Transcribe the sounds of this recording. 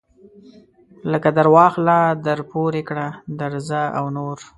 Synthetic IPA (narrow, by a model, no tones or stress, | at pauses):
ləkad̪aɾwɑxlɑd̪aɾpoɾekɽad̪aɾzaawnoɾ